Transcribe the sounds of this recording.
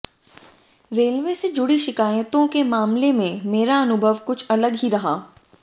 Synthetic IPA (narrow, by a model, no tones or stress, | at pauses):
ɾeːlʋesed͡ʒʊɽiʃɪkaːjət̪õkemaːmlemẽmeːɾaɐnʊbʱəʋkʊt͡ʃʰɐləɡɦiɾɐɦaː